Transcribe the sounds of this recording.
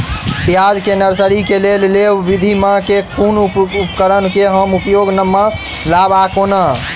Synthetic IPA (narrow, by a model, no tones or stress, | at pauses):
pjad͡ʒkenəɾsəɾikelellewbid̪ʱimãkekʰunupkəɾənkeɦəmupjoɡnəmːə | labakonə